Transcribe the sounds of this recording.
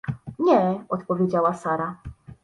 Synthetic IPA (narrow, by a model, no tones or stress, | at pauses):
ɲɛɔt̪pɔvʲjed͡ʑawasaɾa